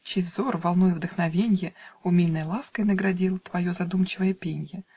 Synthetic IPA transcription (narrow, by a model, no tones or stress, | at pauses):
t͡ɕejvzorvɐlˠnojəvd̪əxnɐvʲenʲjəʊmʲilʲnəjlˠaskəjnəɡɾɐdʲilˠt̪vɐjo̞zɐd̪umt͡ɕɪvəjəpʲenʲjə